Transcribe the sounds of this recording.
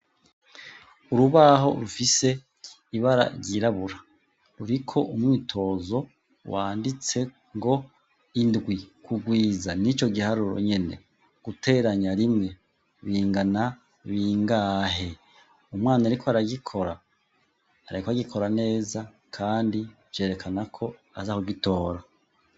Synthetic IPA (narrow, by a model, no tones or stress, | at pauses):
uɾuβaɦo̞̰ɾufise̞ | iβaɾa̰ɾɟiɾaβuɾa | ɾuɾikʰo̞ʔumŋiːtʰo̞zo̞ | waːndit͡se̞ | ŋɡo̞ | indɡwikʰuɡwiːzanit͡ʃo̞ɡihaɾuɾo̰ɲe̞ne̞̰ | ɡ̥utʰe̞ɾaɲaɾimŋe̞ | βiːŋɡana | βiːŋɡaɦe̞ | umwaːnaɾikʰoaɾaɡikʰo̞ɾaː | ɾaikoaɡikʰo̞ɾane̞ːza | kʰaːndi | je̞ːɾe̞kʰanakʰo̞azahoɡito̞ːɾa